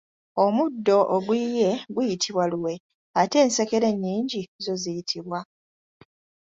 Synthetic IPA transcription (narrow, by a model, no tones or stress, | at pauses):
o̞mudːo̞ʔoɡwije̞ɡwujitʰiβwaluwe̞ | ate̞ːnseke̞ɾe̞ɲːiːɲɟizo̞zijitʰiβwa